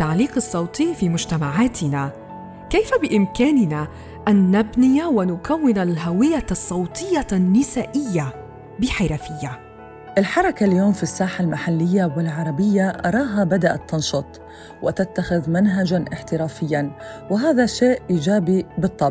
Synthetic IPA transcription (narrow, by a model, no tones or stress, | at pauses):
t̪aʕliːqɨsˤːɑwt̪ˤiːfiːmʊʒt̪amaʕaːt̪ɪna | kajfabɪʔɪmkaːnɪna | ʔanːabnɪjawɪnʊkawːɪnalɦawɪjːasˤːɑwt̪ˤɨjːanːɪsaːʔɪjːa | bɪħɪɾafɪjːa | ʔɪlħɑɾˤɑkaljoːmfisːaːħalmaħalːɪjːawɪlʕɑɾˤɑbɪjːaʔɑ̰ɾˤɑːɦabad̪aʔa̰t̪ːɑnʃɑt̪ˤ | wɪt̪at̪ːaxɪðmanɦad͡ʒanʔɪħt̪ɪɾaːfɪjːanwɪɦaːðaʃeːʔiːd͡ʒaːbibɨt̪ˤːɑb